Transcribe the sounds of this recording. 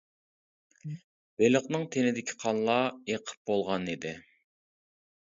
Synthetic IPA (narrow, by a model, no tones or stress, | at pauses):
b̥eləqnɨŋt̪ʰenɪd̪ɪkʲʰi̥qʰɑnlˠɑeqʰə̥p̚bolˠʁɑnid̪ɪ